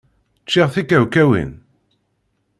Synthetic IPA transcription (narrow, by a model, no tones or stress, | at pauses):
t͡ʃːiʁθikæwkæwḭn